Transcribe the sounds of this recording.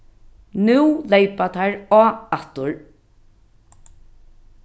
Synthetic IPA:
nʉwlejpat̪ʰaɹɔːat̪ʊɹ

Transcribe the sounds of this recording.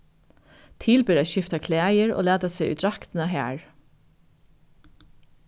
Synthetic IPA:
t̪ʰɪlbɪːɾæːʃɪft̪ɑkʰlæːjəɹo̰ːlæːd̪ɑsɛɪʔʉ̰ːt̪ɾɑkt̪ənɑɦæ̰ːɹ

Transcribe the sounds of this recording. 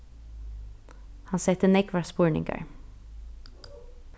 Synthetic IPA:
hɑnsɛt̪ənɛkʋaspʊːɹɳɪ̰ŋka̰ɹ

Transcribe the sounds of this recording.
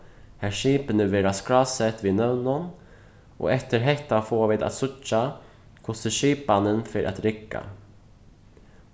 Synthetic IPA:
hæɕiːpənəveɾaskɾɑsɛt̪vɪnœwnɔn | ʔɔ̰ɛft̪əɾɦɛt̪ːafoːvɪd̪a̰t̪sʊt͡ʃːa | kʰɔst̪əʂiːp̚banənfœɾʔa̰t̪ɾɪkːa̰

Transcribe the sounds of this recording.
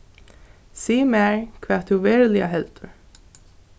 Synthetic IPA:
siːmɛːɹkʰvɛːt̪ʰːuvɛːɹlɪa̰ɦɛlt̪ʏɹ

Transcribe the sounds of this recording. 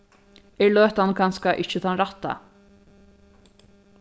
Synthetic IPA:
ɛɹlœːht̪ankʰanskaʔɪht͡ʃɪt̪ʰanɾaht̪ːa̰

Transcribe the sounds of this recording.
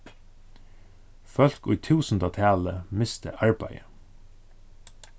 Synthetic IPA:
fœlkʊɪt̪ʰʉːsn̩d̪ɑt̪ʰæːləmɪst̪ə̰ʔɑɹbæɪə

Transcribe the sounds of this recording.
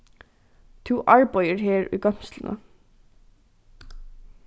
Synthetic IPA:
t̪ʰuːʔɑɹbœʏəɹheːɹʉ̰ːɡœmslənʔə̰

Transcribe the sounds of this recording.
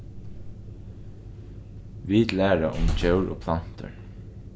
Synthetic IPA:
ʋid̪læːɾaʔʊmt͡ʃœwɹo̰ːpʰlan̥t̪ə̰ɹ

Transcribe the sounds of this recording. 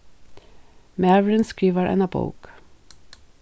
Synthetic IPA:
mæːʋɹənskɹiːʋəɾʔɛ̰nɑbʰo̰ʊk

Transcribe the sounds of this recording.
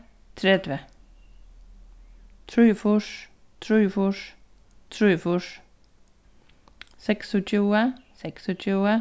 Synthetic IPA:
t̪ʰɾɛd̪ʋə | t̪ʰɾʉːfʊʂ | t̪ʰɾʉːfʊʂ | t̪ʰɾʉːfʊʂ | sɛksɔt͡ʃʰuːəsɛksɔt͡ʃʰuːə

